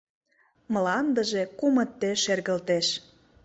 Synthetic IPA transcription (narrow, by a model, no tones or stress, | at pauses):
mə̆lɑnd̪ə̆ʒekumə̆t̪ːeʃerɣə̆lt̪eʃ